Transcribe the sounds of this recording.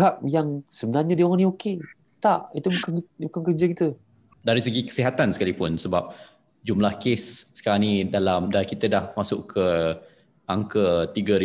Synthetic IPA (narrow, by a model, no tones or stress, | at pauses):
ɦap̚jaŋsəbənarɲədiɔŋanĩoke | t̪aʔit̪ubukabukankərd͡ʒakit̪ə | daɾisəɡikə̥siɦat̪ansə̥kalipʊnsəbap̚ | d͡ʒumlahkesːə̥kaɾaŋnidalamdaikit̪ədahmasʊʔkʰə | ʔaŋkət̪iɡəɾi